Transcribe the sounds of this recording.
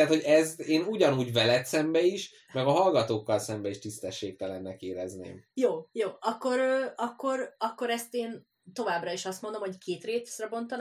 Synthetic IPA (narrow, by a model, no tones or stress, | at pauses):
t̪ho̞ɟɛzt̪eːnuɟɒnuːɟvɛlɛt̪sɛmbɛiʃ | mɛɡɒɦɒlɡɒt̪oːkːɒlsɛmbɛiʃt̪ist̪ɛʃːeːk̚t̪ɛlɛnːɛkeːɾɛznḛːmjoːjoːɒkːo̞ɾøːɒkːo̞ɾɒkːo̞ɾɛst̪eːn | t̪o̞vaːbrɒiʃɒst̪mo̞nd̪o̞mhockʰeːt̪reːt̪srɛbo̞nt̪ɒn